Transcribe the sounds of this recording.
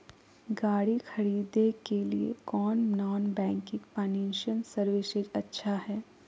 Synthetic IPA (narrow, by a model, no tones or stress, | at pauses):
ɡaːɽixʰɐɾiːd̪ekelḭḛkɔːnnɔːnbɛ̃ːŋkɪ̃kpaːnĩːnʃənsɐɾʋɪʃɪd͡ʒɐtːʃʰaɦɛː